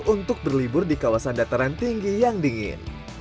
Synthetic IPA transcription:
unt̪ʊk̚bərlibʊrdikawasandat̪aɾant̪iŋɡijaŋdiŋɪ̰n

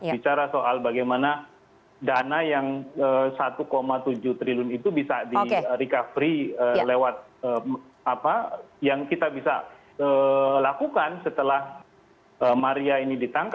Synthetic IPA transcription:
bit͡ʃaɾasoʔalbaɡajmana | danajaŋəsat̪ukomat̪ud͡ʒuht̪ɾilʊnit̪ubisadiəɾikafɾiəlewat̪̚ə | apajaŋkit̪abisa̰ | əlakukansət̪əlah | əmaɾiainidit̪aŋk

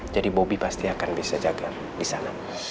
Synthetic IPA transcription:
d͡ʒadibobipast̪iakanbisad͡ʒaɡa | disana

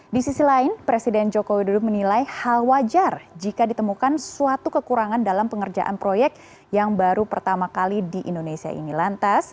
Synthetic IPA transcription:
disisilaɪnpɾesidɛnd͡ʒokowidudʊk̚mənilajhalwad͡ʒard͡ʒikadit̪əmukansuat̪ukəkuɾaŋandalampəŋərd͡ʒa̰ʔa̰npɾojɛk̚t̪ | jaŋbaɾupərt̪amakalidiʔindonesia̰ʔḭnilant̪as

